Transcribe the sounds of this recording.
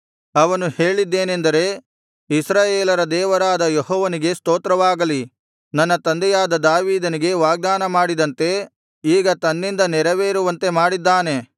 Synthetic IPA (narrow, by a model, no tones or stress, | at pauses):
ɐʋɐnuhe̞ːɭid̪ːe̞ːnend̪ɐɾe̞ | isɾaːjeːlɐɾɐd̪ɛːʋɐɾaːd̪ɐjeɦɔːʋɐniɡe̞st̪oːt̪ɾɐʋaːɡɐli | nɐnːɐt̪ɐnd̪ɛjaːd̪ɐd̪aːʋiːd̪ɐniɡe̞ʋaːɡ̚d̪aːnɐmaːɽid̪ɐnt̪e̞ | iːɡɐt̪ɐnːind̪ɐnɛɾɐʋeːɾuʋɐnt̪e̞maːɽid̪ːaːne̞